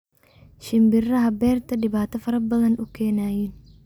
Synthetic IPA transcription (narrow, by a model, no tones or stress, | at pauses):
ʃɪmbɪrɐɦɐbɛːrt̪ʰɐɗɪβaːt̪ʰɐfɐɾɐbɐðɐnʔʊkʰɛːnaːjiːn